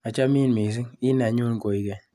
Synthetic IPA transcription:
a˨t͡ʃa˦mi˦˨nmi˨s̬i˦ŋi˦na˨˦ɲu˦n˨ko˨i˦kɛ˨

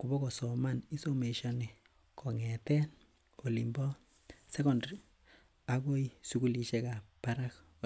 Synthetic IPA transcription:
ku˨bɔ˦kɔ˨sɔ˨ma˦ni˦so˦me˨ʃɔ˦ni˨ | kɔ˨ŋɛ˨tɛ˦n | o˨li˨mbɔ˦ | sɛ˦kɔ˨ndɾi˨ | a˦ko˦isu˦ku˦li˨ʃe˦ka˨pa˦ɾa˦k

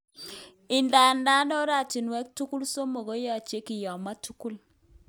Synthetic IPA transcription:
ɪ˨nda˨nda˦nɔ˦ɾa˦˨ti˨nwɛ˦k̚tu˦ku˦lso˦mo˨ɡo˦jɔ˦˨t͡ʃe˦kɪ˨jɔ˨ma˦tu˦ku˦l

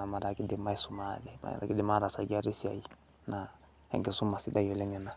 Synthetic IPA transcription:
a˨ma˨da˨ki˦dɛ˨ma˦i˦su˨ma˦dɛ˨ma̰˨a̰˨ki˦dɛ˨ma˦ɾa˨sa˨ɡi˦a˦ɾi˦si˦a̰˨ji˦ | na˨ | hɛ̰˨ŋkɛ˨su˦ma˨si˦da˦jo˨le˦ŋɛ˨na˨

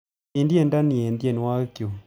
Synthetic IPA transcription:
e˨ndi˦ɛ˨nda˦ni˨ɛ˨ndjɛ˦˨n˨wa˦kjo˨

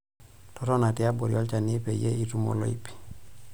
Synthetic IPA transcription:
tɔ˦tɔ˦na˨ti˦a˦bɔ˨ɾiɔ˦lt͡ʃa˨ni˦pe˨je˦i˨tu˦mɔ̰˨lɔ̰˦i˦pi̥˨

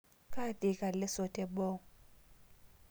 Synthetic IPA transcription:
kʼa˦t̪ʼɪ˨kʼa˨lɪ˦sɔ˨tʰʼɛ˨bɔ˦

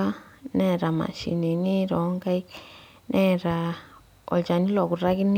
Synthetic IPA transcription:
a˦nɛ˦ɾa˨ma̰˨ʃḭ˨ni˨ni˦ɾɔ˨˦ŋɡa˦i˦k | nʔɛ˦ɾa˨ | ɔ̰˨lt͡ʃa˨ni˦lɔ˨ku˨ɾa˦ki˦n

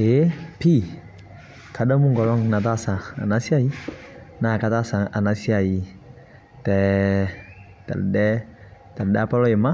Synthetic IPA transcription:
e˨˦pi˦ | kʰa˨dɔ˦mu˦ŋɡɔ˨lɔ˦ŋna˨t̬a˦˨sã˨a̰˨na˦si˦a˦˨ji˦na˨ka˦ta˦˨sa˨ŋʔa̰˨na˨si˦a˨ji˨˦ | tɛ˨ | ta̰˨ldɛ˦ta˨ldɛ˦a˦˨pɔ˦lɔ˦e˨ma˦

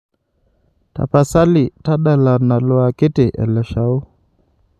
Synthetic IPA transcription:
ta̰˨pa˨sa˦li˨ta˦ɗa˨la˨na˨lɔ˨a˨ki˦tɛ˨ʔɛ̰˨lɛ˨ʃa˨u˦

